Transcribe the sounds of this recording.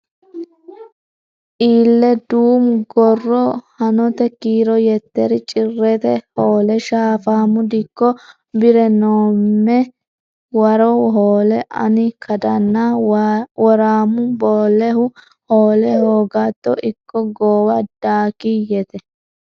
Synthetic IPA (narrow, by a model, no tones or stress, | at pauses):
ʔiːlːɛd̪uːmɡɔrːɔhɐnɔt̪ɛkiːɾɔjɛt̪ːɛɾɪt͡ʃʼɪrːɛt̪ɛhoːlɛʃaːfaːmʊd̪ɪkːɔ | bɪɾɛnoːmːɛ | wɐɾɔɦoːlɛʔɐ̰nɪkʰɐd̪ɐnːa | wɔɾaːmʊboːlɛhʊ | hoːlɛhoːɡat̪ːɔ̰ʔɪkːɔɡoːwɐd̪̥aːkijɛt̪ɛ